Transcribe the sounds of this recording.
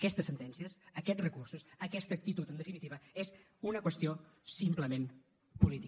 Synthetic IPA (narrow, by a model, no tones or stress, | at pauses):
əkɛst̪əsːənt̪ɛnsiəsəkɛd͡zrəkursusəkɛst̪ək̚t̪it̪ut̪ənd̪əfinit̪iβəez | unəkwəst̪iosimpləmem | pulit̪i